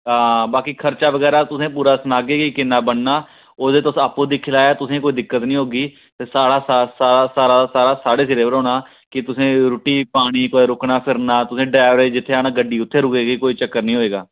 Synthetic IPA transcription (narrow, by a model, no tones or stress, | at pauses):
ɦãːbaːkiːkʰəɾt͡ʃaːʋəɡɛːɾaːt̪ʊsẽːpuːɾaːsʊnaːɡeːkikɪnːaːbəɳnaː | oːd̪eːt̪ʊsaːpːõːd̪iːkʰɪlaːjaːt̪ʊsẽːkoːiːd̪ɪkːət̪nĩːɦoːɡiː | t̪eːsaːɽaːsasaːasaːɾasaːɾaːsaːɽeːs̬ɪɾeːʋəɾɦoːnaː | kɪt̪ʊsẽːɾʊʈiːpaːɽ̃iːkoːɾʊknaːpʰɪɾnaːt̪ʊsẽːɖɾaːʋəɾeːd͡ʒɪt̪ʰːeːaːnaːɡəɖːiːʊt̪ʰːeːɾʊkeːɡikoːiːt͡ʃəkːəɾnĩːɦoːeːɡaː